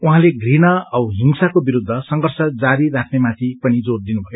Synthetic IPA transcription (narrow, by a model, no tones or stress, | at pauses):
uɦãleɡrinʌʌɦiŋsakobiɾud̪ʱːʌsʌŋɡʌrsʌd͡zaɾirakʰnemãt̪ʰipʌnid͡zord̪inubʱʌjo